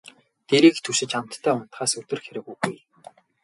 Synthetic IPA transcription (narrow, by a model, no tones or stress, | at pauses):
t̪eɾiːkt̪ʰɵʃɪ̆t͡ɕam̥t̪ʰːæːʊn̥t̪χaːsɵt̪ɵ̆rxeɾɘ̆ɣujɣuj